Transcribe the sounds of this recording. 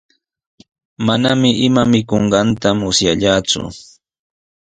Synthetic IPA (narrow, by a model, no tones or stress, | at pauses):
manamɪʔɪmamɪkoɴɢɑnt̪amʊsjaʎaːt͡sʊ̰